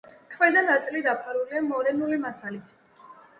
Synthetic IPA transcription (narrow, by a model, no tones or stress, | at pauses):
kʰvɛd̪anat̪sʼlid̪apʰaɾuliamɔɾɛnulimasalit̪ʰ